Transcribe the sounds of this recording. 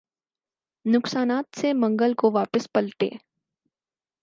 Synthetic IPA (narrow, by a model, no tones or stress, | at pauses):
nʊksaːnaːt̪semɐ̃ŋɡəlkoʋaːpəspɐlt̪ḛː